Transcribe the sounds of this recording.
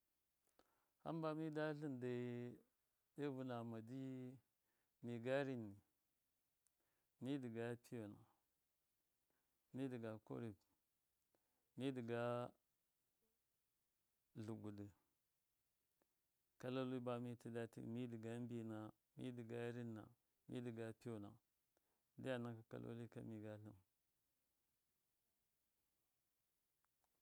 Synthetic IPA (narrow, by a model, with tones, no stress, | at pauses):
ha̰˦mba˦mi˦da˦ɬi˦nda˨˦ | de˦vu˦na˨ma˨di˦ | mi˨ɡa˦ɾi˦nːi˨ | mi˦di˨ɡa˦pʰi˦jo˨na˨ | mi˦di˨ɡa˨ko̰˦ɾi˨k | mi˦di˨ɡa˦ | ɮu˨ɡu˨di˨ | ka˦lo˦li˦ba˦mi˦ti˦da˦tḭ˦˨mi˦di˨ɡa˦m˦bi˦˨na˨ | mḭ˦di˨ɡa˦ɾi˦nːa̰˨ | mḭ˦di˨ɡa˨pi˦jo˨na̰˨ | di˦ja˨na˦ka˨ka̰˦lo̰˦li˦ka̰˦mi˨ɡa˦ɬu˦m